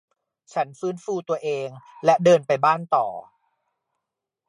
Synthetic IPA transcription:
t͡ɕʰa˦˥nfɯː˦˥nfuː˧t̪u˧ɐʔeː˧ŋlɛ˦˥dɤː˧npa˧jbaː˥˩nt̪ɔ̰ː˨˩

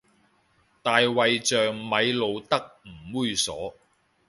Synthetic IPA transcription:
t̪aː˨˧jwɐ˨jt͡sœː˨ŋmɐ˨˧jlo˨˧wt̪ɐ˥k̚m̩˨˩muː˥˧jsɔ̰ː˨˥

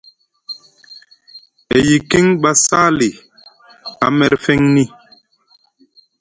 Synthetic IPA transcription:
e˨ji˨ki˦ŋɓa˦saː˦li˨ | a˨mɛ˨ɾfɛ˦ŋni˦

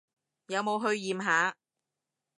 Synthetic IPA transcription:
jɐ˨˧wmo˨˧wɦɵ˧ɥjiː˨mɦaː˨˥

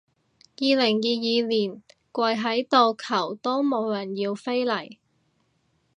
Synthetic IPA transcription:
jiː˨˧lɪ˨˩ŋjiː˨˧jiː˨˧liː˨˩nkʷɐ˧jɦɐ˨˥jt̪o˨˧wkʰɐ˨˩wt̪o˥wmo˨˧wlɐ˨˩njiː˧wfe˥jlɐ˨˩j

